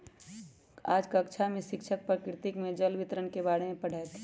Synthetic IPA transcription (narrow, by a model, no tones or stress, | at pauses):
aːd͡ʒkaɐkt͡ʃʰamẽʃɪkʃʰək̚pɐɾkɾɪt̪ɪkmẽd͡ʒəlʋɪt̪ɾənkebaːɽemẽpɐɽ̤ʱaːet̪ʰe